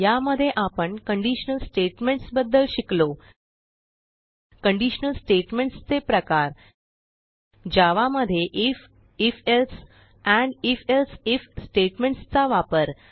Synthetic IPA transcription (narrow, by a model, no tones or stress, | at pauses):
jaməd̪ʱːjeʔapəɳkəɳɖiɕənəlsʈeʈmeɳʈsbəd̪ːəlɕiklo | kəɳɖiɕənəlsʈeʈmeɳʈst͡sepɾəkaɾ | d͡ʑaʋaməd̪ʱːjeʔif | ifels | æ̃ɳifelsifsʈeʈmeɳʈst͡saʋapəɾ